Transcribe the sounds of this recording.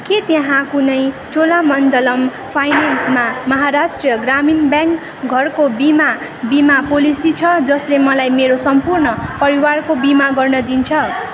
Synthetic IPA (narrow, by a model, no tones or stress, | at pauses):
ket̪jʌɦãkunʌj | t͡solamʌnd̪ʌlʌm | pʰajnansmamʌɦaɾasʈrijʌɡraminbjãŋk | ɡʱʌrkobima | bimapolisit͡sʰʌd͡zʌslemʌlajmeɾosʌmpurnʌpʌɾiwarkobimaɡʌrnʌd̪int͡sʰʌ